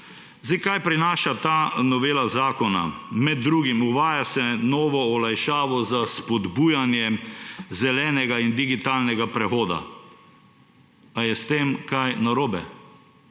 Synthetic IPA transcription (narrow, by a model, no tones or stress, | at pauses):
zikajpɾinaːʃat̪anɔʋeːlazaːkɔna̰mɛd̪̚ːɾuːɡimuʋaːjasɛnɔːʋɔɔlajʃaːʋɔzaspɔd̪buːjanjɛzɛlɛːnɛɡaind̪iɡit̪aːlnɛɡapɾɛxoːd̪a̰ | ajɛst̪eːmkajnaɾoːbɛ